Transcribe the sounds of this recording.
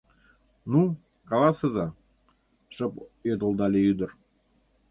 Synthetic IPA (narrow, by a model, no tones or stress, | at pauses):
nu | kɑlɑsəzɑ | ʃɤpjød̪ə̆lˠd̪ɑlʲeyd̪ər